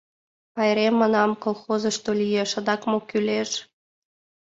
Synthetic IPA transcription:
ɑjɾemːɤ̆nɑmkolˠxozɤ̆ʃt̪olʲijeʃə̆d̪ɑkmokyleʃ

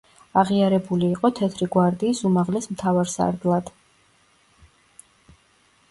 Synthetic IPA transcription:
aʁiaɾɛbuliːqʼɔt̪ʰɛt̪ʰɾiɡwaɾd̪iːsumaʁlɛsmt̪ʰavaɾsa̰ɾd̪lˠad̪̥

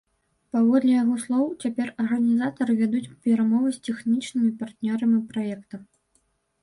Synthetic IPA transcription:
pavɔd̪lʲɛjaɣɔslˠɔwt͡sʲapʲɛrɐrɣɐnʲizat̪ɐɾɨvʲad̪ut͡sʲpʲɛɾamɔvɨsʲt͡sʲɛxnʲit͡ʂnɨmʲipart̪nʲɔɾɐmʲipɾajɛkt̪ɐm

